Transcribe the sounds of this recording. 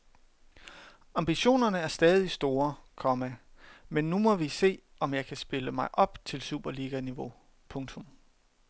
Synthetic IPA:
ɑ̈mb̥iɕo̝̰ːnɐnəæɐsd̥ɛːð̞ˠisd̥o̝ːɐkʰɒ̽mæmenːumɒ̽ʋise̝̰ː | ɒ̽mjɑ̈ɪkʰæsb̥e̝ləmɑ̈ɪʔɒ̽b̥t͡sʰe̝lsṵːb̥ɐliɡ̥æniʋo̝ | pʰɔ̽ŋt͡sʰɔ̽m

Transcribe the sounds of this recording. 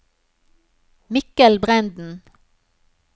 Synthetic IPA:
mɪkəlbʁɛnd̪n̩

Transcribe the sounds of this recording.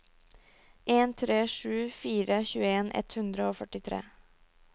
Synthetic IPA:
ʔeːnt̪ʰɾeːʂʉːfiːɾəçʉːəeːnʔɛ̰t̪hʉnd̪ɾəoːfœʈɪt̪ʰɾḛː

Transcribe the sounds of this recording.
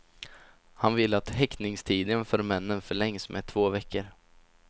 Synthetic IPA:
hanvɪlːat̪hɛknɪŋst̪ʰiːd̪ənfœːɾmɛnːənfœɭɛŋsmʔɛt̪ʰv̥oːvɛkːəɾ

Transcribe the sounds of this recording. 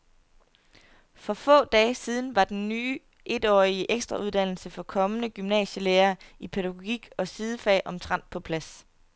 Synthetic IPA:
fɒ̽fɔ̰̽ːd̥ɛːsiːð̞ˠn̩ʋɑ̈d̥enːyː | ʔe̝d̥ɒ̰ːiəʔeɡ̥sd̥ʁɑ̈ʔuð̞̥ˠæn̰l̩səfɒ̽kʰɒ̽mənəɡ̥ymnɛ̰ːɕəleːɐːipʰeɾæɡ̥o̝ɡ̥iɡ̥ɒ̽siðˠəfɛ̰ːʔɒ̽mt͡sʰʁɑn̰d̥̚pʰɒ̽pʰlæs

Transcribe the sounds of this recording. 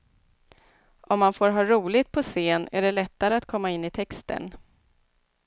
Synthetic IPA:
ɔmːanfoːɾɦɑːɾuːlɪt̪̚pʰɔseːnæ̰ɖɛlɛt̪ːaɾəat̪kʰɔmːaɪnːɪt̪ʰɛkst̪ʰə̰n

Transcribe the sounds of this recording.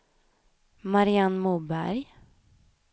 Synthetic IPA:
maɾɪanmuːbæ̰ɾj

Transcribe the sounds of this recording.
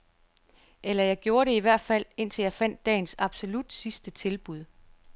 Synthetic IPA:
ʔelɐjɑ̈ɪɡ̥jo̝ːɐɾe̝iʋæɐ̰d̥fæl̰e̝n̰t͡sʰe̝ljɑ̈ɪfæn̰d̥ːɛ̰ːn̩sɑ̈b̥so̝lud̥sisd̥ət͡sʰe̝lb̥uð̞̰ˠ

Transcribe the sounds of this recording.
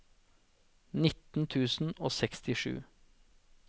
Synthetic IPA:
nɪt̪n̩t̪ʰʉːsn̩oːsɛkst̪ɪʂʉ̰ː

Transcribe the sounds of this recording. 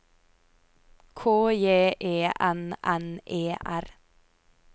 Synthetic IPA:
kʰoːjeːʔeːʔænʔɛnʔeːʔæɾ

